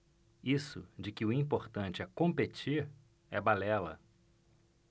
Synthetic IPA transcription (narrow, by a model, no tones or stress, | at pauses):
isʊ̰d͡ʒɪkɪʊĩpoɾt̪ɐ̃nt͡ʃɪɛkõmpet͡ʃiɾ | ɛbalɛlɐ̰